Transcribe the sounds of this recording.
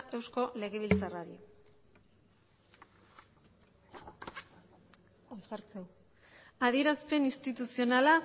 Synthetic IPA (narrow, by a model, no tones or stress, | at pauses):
ʔe̞wsko̞le̞ɣe̞β̞ilt͡saraɾi | saɾt͡se | aðie̞ɾaspe̞nist̪it̪usio̞nala